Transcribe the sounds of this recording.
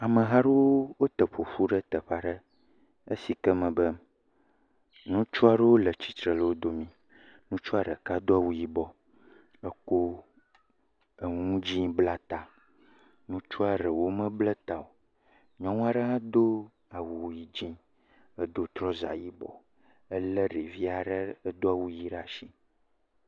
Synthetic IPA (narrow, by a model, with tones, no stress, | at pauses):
a˨mə̃˨ɦã˦ɖə˦wo˦wo˦t̪ə˨ɸo˨ɸu˦ɖə˦t̪ə˨ɸa˦ɖə˦ | ə˦si˨kɛ˦mə̃˨bə˦ | nũ˦t͡ʃu˦a˨ɖə˦wo˦lə˨t͡ɕi˨t̪ɾə˨lə˦wo˦d̪o˦mĩ˦ | nũ˦t͡ʃu˦a˨ɖə̰˨ka˦d̪o˦a˨wu˨ji˦bɔ˨ | ə˦ko˦ | ə˨ŋũ˦d͡ʑi˦bla˦t̪a˨ | nũ˦t͡ʃu˦a˨ɖə˨wo˦mə̃˦blə˦t̪a˨o˨ | ɲɔ̃˦ŋũ˦a˦ɖə˦ɦã˦d̪o˦ | a˨wu˨wji˨d͡ʑĩ˦ | ə˦d̪o˦t̪ɾɔ˦za̰˨ji˦bɔ̰˨ | ə˦lə˦ɖi˨vi˦a˨ɖə˦ə˦d̪o˦a˦˨wu˨ji˦ɖa˨ʃi˦